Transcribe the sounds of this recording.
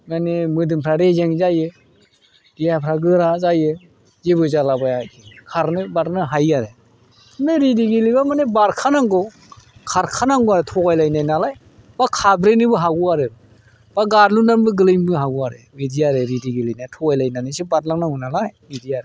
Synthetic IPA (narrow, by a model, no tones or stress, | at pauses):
ŋanemɯdɯmpʰɾaɾezeŋzajɯ | diapʰɾaɡɯɾazajɯ | zeβɯzalabajakʰikʰaɾnɯbaɾnɯɦajaɾe | neɾidiɡilibamanebaɾkʰanaŋɡɔ | kʰaɾkʰanaŋɡɔaɾɯtʰɔɡajlajnajnalaj | b̥akʰabɾenɯbɯɦaɡuaɾɯ | b̥aɡaɾlunanbɯɡɯlɯjŋbɯɦaɡuaɾḛwediaɾɯɾidiɡilijnajtʰɔɡajlajnanɯsɯbatlaŋnaŋɯnalajbidiaɾe